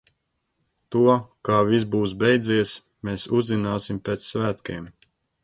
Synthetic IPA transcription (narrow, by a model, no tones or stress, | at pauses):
t̪uɔkaːvisbuːs̬bɛjd̪ziɛs | meːsuzːinaːsimpʲeːt̪ssvæːt̪keɛm